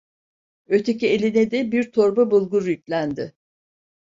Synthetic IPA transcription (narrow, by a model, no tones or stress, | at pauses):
øt̪ʰecielʲinɛd̪ɛbiɾt̪ʰo̞ɾbabulˠɡuɾjycʲlʲænd̪ɪ